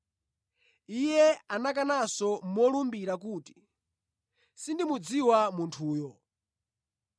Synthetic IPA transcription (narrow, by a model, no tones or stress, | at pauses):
ijɛanakanasɔmɔlumbiɾakuːti̥ | sindimud͡ziwamuntʰuːjɔ